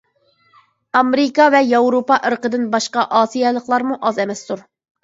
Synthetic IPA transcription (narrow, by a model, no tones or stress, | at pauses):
ɑmɾɪkɑvɛjɑwɾopɑʔəɾqəd̪ɨnbɑʃqɑʔɑːsijɛlˠəqlˠɑɾmuʔɑzɛmɛst̪uɾ